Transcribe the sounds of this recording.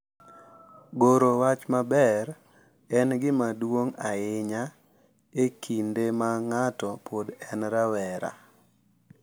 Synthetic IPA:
ɡoɾowat͡ʃmabɛɾ | ɛnɡɪmadwoŋaɪɲa | ekʰindemaŋatɔpodɛnɾawɛɾa̰

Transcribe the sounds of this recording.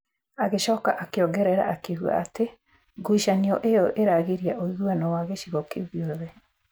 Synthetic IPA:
aɣeʃɔːkaʔakeɔɡɛɾɛɾa̰ʔakeɣwa̰ate | ɡuiʃaniɔʔejɔʔeɾaɣeɾiaʔoiɣwanɔwaɣeʃiɣɔkeɣjɔðɛ

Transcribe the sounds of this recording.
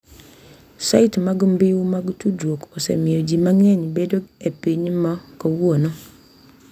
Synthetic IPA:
saitmaɡʊmbɪwumaɡutudwokosɛ̰miod͡ʒimaŋɛɲbedoepiɲmɔkowuono

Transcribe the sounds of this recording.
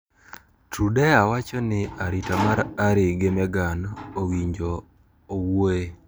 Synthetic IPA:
tʰudɛawat͡ʃɔnɪaɾitamaɾaɾɪɡemɛɡanowiɲd͡ʒɔː | woe

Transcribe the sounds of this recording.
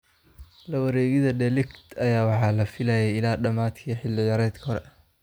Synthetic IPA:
lɐwɐɾɛːɣɪðɐɖɛlɪkt̪ʰɐjaːwɑħɑːlɐfɪlɐjɛjɪlaːɖɐmaːt̪kʰiːħɪlːɪjɐɾɛːt̪kʰɐhɔɾɛ̰

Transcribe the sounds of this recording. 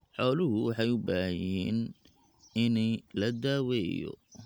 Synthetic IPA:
ħɔːlʊɦʊwɑħɑjʊbaːhɐjjɛːn | ɪnɛjlɐd̪aːwɛːjɔ̰

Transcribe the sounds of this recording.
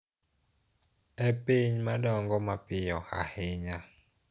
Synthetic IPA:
ɛpeɲmaɗɔŋɡɔmapɪjɔha̰hɪɲa

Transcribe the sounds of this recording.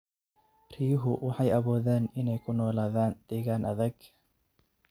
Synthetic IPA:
rijʊɦʊwʔɑħɑjɐβɔːðɛːnɪnɛjkʰʊnɔːlaːðaːnd̪̥ɛːɣaːnʔɐðɐɡ

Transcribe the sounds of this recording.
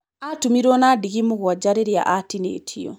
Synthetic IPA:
atumiɾwɔnaːdiɣimuɣwad͡ʒaɾeɾja̰ʔatinḛːtʰiɔ̰

